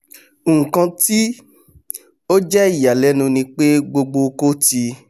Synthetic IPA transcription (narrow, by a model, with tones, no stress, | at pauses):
ŋ̩˨kã˧ti˦ | o˦d͡ʒɛ˦i˦˨ja˨lɛ˨˦nũ˧nĩ˧k͡pe˦ɡ͡bo˧ɡ͡bo˧ko˦ti˧